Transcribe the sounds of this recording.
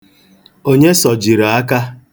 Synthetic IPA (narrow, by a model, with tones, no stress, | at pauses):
o˦ɲe˦sɔ˨d͡ʒi˨ɾa˨a˦ka˦